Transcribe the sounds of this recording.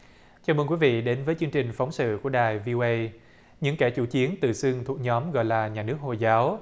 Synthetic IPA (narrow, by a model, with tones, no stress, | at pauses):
t͡ɕaː˧˩mə˧nkwi˨˦vḭ˧˨ɗe˨˦nvəː˨˦jt͡ɕɨ˧əŋt͡ɕï˨˩ŋ̟fa˨˦wŋ͡msɨ̰˧˨ku˧˩əɗaː˨˩jvi˧o˧ʔə˧j | ɲɨ̰˧˥ŋkɛ˧˩t͡ɕu˧˩t͡ɕi˨˦ənt̪ɨ̰˧˨˩sɨ˧əŋt̪ʰu˨˩k̚ɲɔ˨˦mɣɔ̰˧˨jlaː˨˩ɲaː˨˩nɨ˦˥ək̚ho˧˨˩jzaː˨˦w